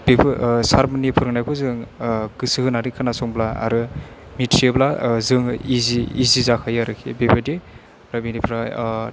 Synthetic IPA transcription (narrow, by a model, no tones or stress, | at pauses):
b̥ebsaɾmanipʰɯɾɯŋnajkʰɔzɯŋɡ̥ɯsɯhɯnaɾikʰanasɔŋblaa̰ɾɯ | mitɾeblazɯŋiziːzizakʰajaɾɯkʰḛbebadi | ɾɯbinipʰɾa